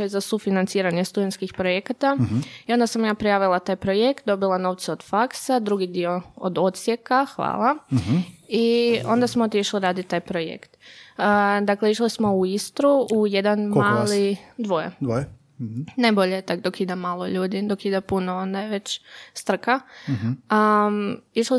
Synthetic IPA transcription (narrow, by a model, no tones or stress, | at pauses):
ojzasufinant̪siːɾaɲest̪ud̪et̪skixpɾojekat̪aio̞nd̪asamjaːpɾijaːʋilˠat̪aːjpɾo̞je̞kt̪̚d̪o̞bilˠano̞ʋt̪seo̞d̪̥faksad̪ɾuɡid̪io̞o̰d̪o̞t̪sje̞kaxʋa̰ːlˠa | io̞nd̪asmoot̪jeʃliɾaːd̪it̪aːjpɾojḛkt̪ː | d̪akle̞iʃlismo̞uist̪ɾuujed̪anmaːlˠid̪ʋojḛd̪ | najboʎet̪akd̪o̞kid̪amaːlˠoʎuːd̪id̪o̞kid̪apunoond̪ajeʋe̞t͡ɕst̪r̩ka | ə | iʃli